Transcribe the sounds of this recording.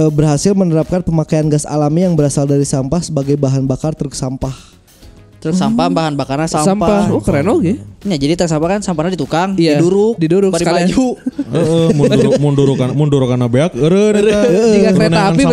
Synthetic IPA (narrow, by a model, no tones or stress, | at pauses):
əbərɦasɪlmənəɾap̚kanpəmakajanɡasa̰lamijaŋbəɾasaldaɾisampahsəbaɡajbaɦanbakart̪əɾəksampah | t̪əɾəksampabaɦanbakarasasampaakəɾenoɡɛɲad͡ʒadit̪əɾksampahkansampahnadit̪ukaŋjaiduɾʊk̚diduɾʊkbaəɾialad͡ʒuəʔəmunuɾmunduɾukamunduɾukanabeak̚əɾədəəiɡakəɾenaːpi